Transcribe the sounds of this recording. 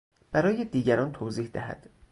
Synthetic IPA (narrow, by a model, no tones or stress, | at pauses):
b̥æɾɒːjed̪iːɟæɾɒːnt̪ʰoːziːhd̪æ̰hæ̰d̪̥